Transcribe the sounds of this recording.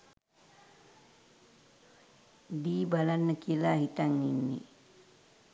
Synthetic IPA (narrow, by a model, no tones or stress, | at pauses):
diːbalanːəkiəlaɦit̪aŋninːḭ